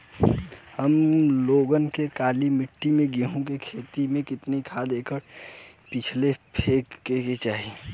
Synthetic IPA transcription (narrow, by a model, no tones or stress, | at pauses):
həmloːɡənkekaːlimɪʈːimẽɡiɦõkekʰeːt̪imẽkɪt̪nikʰad̪eːkʰəɾ | pɪt͡ʃʰlepʰeːkːeket͡ʃaːɦi